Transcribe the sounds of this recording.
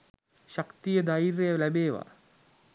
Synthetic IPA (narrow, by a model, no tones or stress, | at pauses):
ɕakt̪ijəd̪ajiɾejəlæbeːʋa̰